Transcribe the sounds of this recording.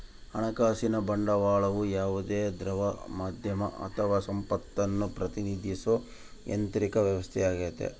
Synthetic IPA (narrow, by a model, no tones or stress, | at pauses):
ɐ̰ɳɐkaːsinɐbɐɳɖɐʋaːɭɐʋujaːʋud̪eːd̪ɾɐʋɐmaːd̪ʱjɐmɐ̰ʔɐ̰t̪ʰɐʋaːsɐmpɐt̪ːɐnːupɾɐt̪inid̪ʱiso | jḛnt̪ɾikɐʋjɐʋɐst̪ʰɛjaːɡeːt̪ḛ